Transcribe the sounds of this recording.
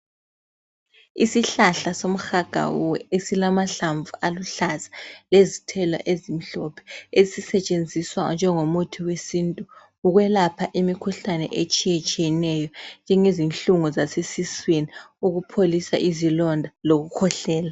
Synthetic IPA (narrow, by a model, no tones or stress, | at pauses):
isiɬaɬasom̩xaɡ̥ʱa̰wṵwɛesilamaɬaɱvuʔaluɬazḁlezitʰɛlwa̰ʔezim̩ɬɔpʰɛ̥eisisɛt͡ʃʼend͡zʱiswand͡ʒʱɛŋomutʰiwesiːntʼu | uɣwɛlapʰaʔimikʰuɬanɛ̰ʔet͡ʃʼijɛt͡ʃʼijɛnɛjɔnd͡ʒʱɛŋezinɬuŋuzasesisweni | uɣupʰolisa̰ʔizilɔndʱaloɣukʰɔɬɛːla